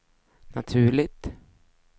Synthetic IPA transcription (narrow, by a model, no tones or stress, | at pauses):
nat̪ʰʉ̟ːɭɪt̪